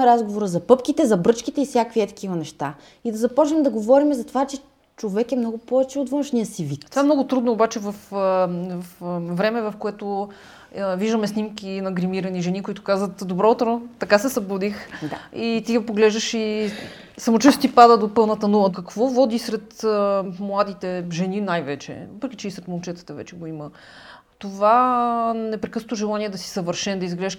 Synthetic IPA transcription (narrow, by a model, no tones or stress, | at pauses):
ɛɾazɡovoɾəzɐpɤpkit̪ɛzɐbɾɤt͡ʃkit̪ɛifsʲjakviɛt̪ɐ̥kivɐnɛʃt̪a | id̪ɐzɐpɔt͡ʃnɛmɛd̪ɐɡovɔɾimɛzɐt̪ovat͡ʃɛ | t͡ʃovɛkɛmnɔɡʊpɔvɛt͡ʃɛot̪vɤ̃nʃnijəsivit̪t̪vaɛmnɔɡʊt̪ɾud̪noːbat͡ʃɛvɐfvɐfvɾɛmɛvɐfkoɛt̪ʊ | viʒd̪əmɛsnimkʲinɐɡɾimiɾɐniʒɛnikoit̪ʊ̥kazvət̪d̪obɾɔt̪ɾot̪ːɐkasɛsɐbud̪ixit̪iɡɐpoɡlɛʒd̪əʃi | sɐmot͡ʃəst̪ipad̪əd̪opɤlˠnət̪ɐnulˠəkɐkvɔvɔd̪isɾɛt̪mlˠad̪it̪ɛʒɛninajvɛt͡ʃɛ̰vəpɾɛkʲi̥t͡ʃɛisɾɛt̪molˠt͡ʃɛt̪ə̥t̪ɐvɛ̰t͡ʃɛɡoimə | t̪ova | nɛpɾɛkɤsnot̪oʒɛlˠaniɛd̪ɐsi̥sɐvəɾʃɛnd̪ɐizɡlɛʃ